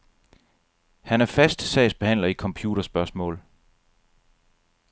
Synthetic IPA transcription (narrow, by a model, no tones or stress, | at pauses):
hænæɐfæsd̥sɛ̰ɪsb̥e̝hæn̰lɐikʰɒ̽mpʰjuːɾ̥ɐsb̥ɶɐsmɔ̰̽ːl